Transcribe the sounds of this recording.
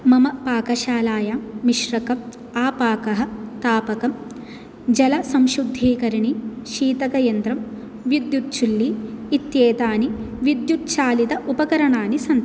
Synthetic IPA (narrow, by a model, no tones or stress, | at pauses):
mɐmɐpaːkɐʃaːlaːjaːmiʃɾɐkɐm | aːpaːkɐɦɐ̆t̪aːpɐkɐm | d͡ʒɐlɐsɐmʃɾud̪ʱːiːkɐɾɐɳiʃiːt̪ɐkɐjɐnd̪ɾɐm | ʋjud̪jut̪̚t͡ʃulːiːt̪jeːt̪aːni | ʋid̪jut̪̚ʃaːlid̪ɐʔupɐkɐɾɐɳaːnisɐnt̪